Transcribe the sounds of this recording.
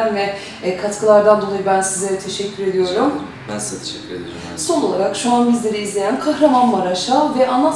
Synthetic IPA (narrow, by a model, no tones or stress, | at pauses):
nvɛ | kʰat̪kʰɯlˠaɾd̪and̪o̞lˠajɯbænsizʲeɾɛt̪ʰe̞ʃɛcʲʰːyɾe̞d̪ijo̞ɾum | bæ̰nszɛt̪ʰe̥ʃɛcʰʲːyɾed̪i | so̞no̞lˠaɾakʃuanbizlʲe̞ɾiːzlʲe̞jænkʰahɾamanmaɾaʃavɛʔana